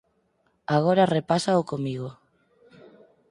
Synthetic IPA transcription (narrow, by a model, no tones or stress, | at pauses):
aɣ̞oɾarepasaokomiɣo